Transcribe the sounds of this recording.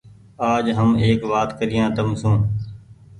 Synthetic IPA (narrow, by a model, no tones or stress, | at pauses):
aːd͡ʒɦəmeːkʋaːt̪kəɾɪjãːt̪əmsũː